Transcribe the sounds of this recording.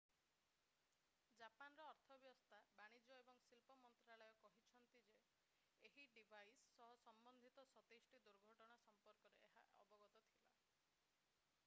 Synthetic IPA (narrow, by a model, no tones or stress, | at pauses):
d͡ʒapanɔɾɔːɾt̪ʰɔbjɔst̪ʰabaɽ̃id͡ʒɔebɔŋsilpɔmɔnt̪ɾaɭɔjɔkɔɦit͡ʃʰɔnt̪id͡ʒeː | ɦiɖibʱajsːɔɦɔsɔmbɔnd̪ʱit̪ɔsɔt̪esʈid̪uɾɡʱɔʈɔɽ̃asɔmpɔɾkɔɾeeɦa̰ʔɔ̰bɔɡɔt̪ɔt̪ʰila̰